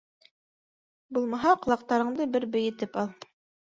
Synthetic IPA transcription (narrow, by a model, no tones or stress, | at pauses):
bulˠmɑɦɑqɤ̆lˠɑq̚t̪ɑɾɤ̆ɴd̪ɤbɘɾbɘ̆jɘ̆t̪ɘpɑlˠ